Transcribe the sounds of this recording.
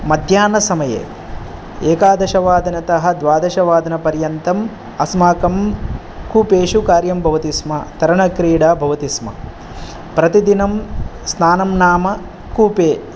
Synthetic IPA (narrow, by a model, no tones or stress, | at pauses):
mɐd̪ʱjaːnɐsɐmɐjḛː | eːkaːd̪ɐʃɐʋaːd̪ʱɐnɐt̪ɐɦɐ̆d̪ʋaːd̪ɐʃɐʋaːd̪ʱɐnɐpɐɾjɐnt̪ɐm | ɐsmaːkɐm | kuːpeːʃukaːɾjɐmbʱɐʋɐt̪ismɐt̪ɐɾɐɳɐkɾiːɽaːbʱɐʋɐt̪ismɐ̰ | pɾɐt̪id̪inɐmsnaːnɐmnaːmɐ | kuːpeː